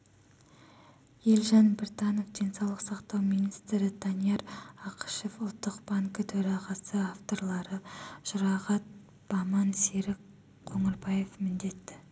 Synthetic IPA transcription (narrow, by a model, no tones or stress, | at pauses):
je̞lʲʒɑnbɪrt̪ɑno̞fd̪e̞nsɑwlˠəqsɑqt̪ɑwminijst̪ɾɪd̪ɑnijɑɾɑqʰə̥ʃe̞fʊlˠt̪ːəqb̥aŋkət̪ʰɵɾɑʁɑsəaft̪o̞rlˠɑɾəʒ̥ʊɾɑʁɑt̪̚ | b̥ɑmɑnseɾɪk | kʰːɵŋɪɾbɑje̞fmɪnd̪e̞t̪ːɪ